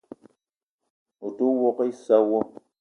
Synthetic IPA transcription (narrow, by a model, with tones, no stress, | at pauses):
u˨tu˦wɔ˦ke˦i˦sa˦wo˦